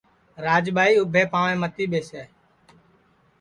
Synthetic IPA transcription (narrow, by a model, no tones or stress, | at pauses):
ɾaːd͡ʒɓʱaːiːʊbʱeːpaːʋẽːmət̪iːɓeːseː